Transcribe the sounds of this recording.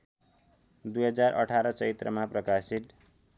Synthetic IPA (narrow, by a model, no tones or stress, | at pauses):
d̪ujɦʌd͡zarʔʌ̰ʈʰaɾʌt͡sʌit̪rʌmaprʌkasit̪